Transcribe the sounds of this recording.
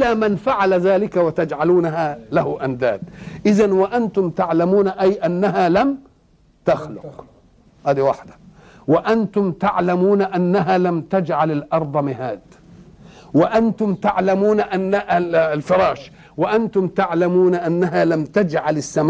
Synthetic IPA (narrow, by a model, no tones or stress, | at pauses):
ʔɪlamɪnfaʕalazaːlɪkawɪt̪ad͡ʒʕaluːnaɦalahʊʔand̪a̰ːd̪ʔɪzanwaʔant̪ʊmt̪aʕlamuːnaʔajʔanːaɦalam | t̪axlʊq | haːd̪iwaħd̪ḁ | wɪʔant̪ʊmt̪aʕlamuːnaʔanːaɦalamt̪ad͡ʒʕalalʔɑɾˤd̪ˤɑmɪhaːd̪ | wɪʔant̪ʊmt̪aʕlamuːnaʔanːaʔlfɪɾˤɑːʃ | wɪʔant̪ʊmt̪aʕlamuːnaʔanːaɦalamt̪ad͡ʒʕalɪsːam